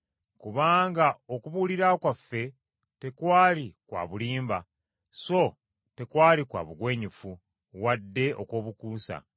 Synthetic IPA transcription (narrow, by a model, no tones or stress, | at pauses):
kuβaːŋɡaokuβuliɾakwafːe̞ | te̞kwaːlikwa̰ːβuliːmba | so̞ | te̞kwaːlikwa̰ːβuɡwe̞ːɲifu | wadːe̞ʔo̞̰koːβukuːsa̰